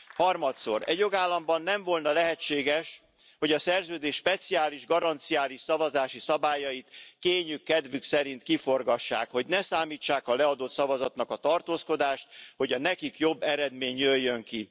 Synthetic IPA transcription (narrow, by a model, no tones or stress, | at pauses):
hɒrmɒt̪so̞̰ɾɛ̰ɟjoɡaːlːɒmbɒnːɛɱvo̞lnɒlɛɦɛt͡ʃːeːɡɛʃ | ho̞ɟɒsɛrzøːd̪eːʃːpɛt̪siaːliʒɡɒɾɒnt̪sijaːliʃsɒvɒzaːʃisɒbaːjɒjit̪keːɲykːɛd̪vyksɛɾint̪kifo̞rɡɒʃːa̰ːkho̞ɟnɛsaːmiːt͡ʃːaːkɒlɛɒd̪o̞t̪sɒvɒzɒt̪nɒkɒt̪ɒrt̪oːsko̞d̪aːʃt̪̚ho̞ɟɒnɛkikjo̞bːɛɾɛd̪meːɲjøjːøŋki